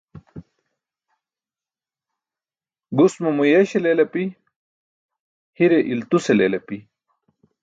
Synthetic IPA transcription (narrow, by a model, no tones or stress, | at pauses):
ɡusmumujeɕelelɐpi | hiɾeʔilt̪uselelɐpi